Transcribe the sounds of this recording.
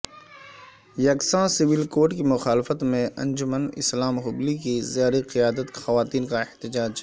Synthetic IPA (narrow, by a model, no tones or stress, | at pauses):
jɐksãsɪʋɪlkoːɾʈkimʊxaːlɪfət̪mẽʔɐ̰̃nd͡ʒʊmənɪ̰slaːmɦʊblikizjaːɾiqɪjaːd̪ət̪xɐʋaːt̪iːnkaɪht̪ɪd͡ʒaːd͡ʒ